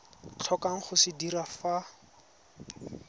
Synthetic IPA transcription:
t͡ɬʰɔkaŋ̩χʊsɪdiɾafa

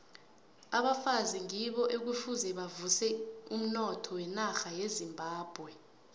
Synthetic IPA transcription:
aɓafaziŋiɓɔʔek̬ufuzɛɓavusɛum̩nɔtʰɔwɛnaxajezimbʱaːb̥ʱwɛ

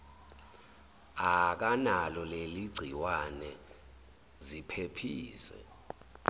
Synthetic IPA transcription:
ak̬analɔleliɡ͡ǀʱiwanɛ | zipʰepʰiːsɛ̰

